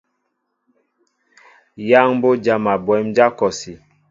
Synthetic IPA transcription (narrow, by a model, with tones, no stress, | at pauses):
ja˦ŋ˦bo˦d͡ʒa˦ma˨bwɛ˨˦md͡ʒa˦kɔ˨si˨